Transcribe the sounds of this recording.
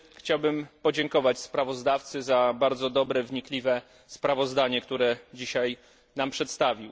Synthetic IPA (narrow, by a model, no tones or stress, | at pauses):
xt͡ɕawbɘmpɔd͡ʑɛŋkɔvat͡ɕspɾavɔzd̪aft̪sɘzabaɾd̪zɔd̪ɔbɾɛvɲiklʲivɛ | spɾavɔzd̪aɲɛkt̪uɾɛd͡ʑiɕaj | nampʂɛt̪st̪avʲiw